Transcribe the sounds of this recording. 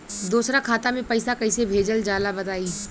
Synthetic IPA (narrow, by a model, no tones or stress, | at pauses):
d̪uːsɾakʰaːt̪amẽpɐɪsakɐisebʱeːd͡ʒəld͡ʒaːlabɐt̪aːiː